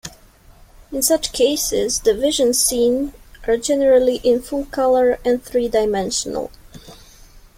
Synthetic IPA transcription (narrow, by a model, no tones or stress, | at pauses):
ɪ̃nsat͡ʃkʰeɪsɪzd̪ɨvɪʒɨ̃nsĩnʔaɹd͡ʒɛnəɹalˠiʔɪ̃nfɔkʰʌlˠə˞ɛ̃nθɹidaɪmɛ̃nʃɔnə̰lˠ